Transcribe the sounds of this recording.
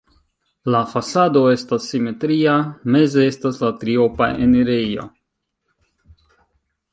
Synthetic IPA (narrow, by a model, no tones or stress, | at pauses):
lafasado̞e̞stasːime̞tɾiame̞ze̞estaslatɾio̞pa̰ʔḛneɾejo̞̰